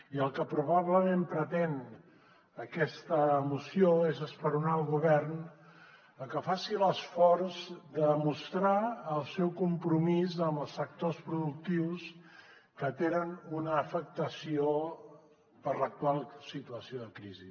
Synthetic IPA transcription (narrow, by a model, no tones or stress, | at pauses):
iəlˠkəpɾuβaβləmempɾət̪en | əkɛst̪əːmusijoezəspəɾunaəlˠɣuβɛrn | əkəfasiləsfɔrzd̪əmust̪ɾaəlˠsɛwkumpɾumizəmbəlˠsək̚t̪ospɾuðuk̚t̪iws | kət̪enənunəːfək̚t̪əsio | pəɾlək̚t̪ualˠsit̪uəsioðəkɾizi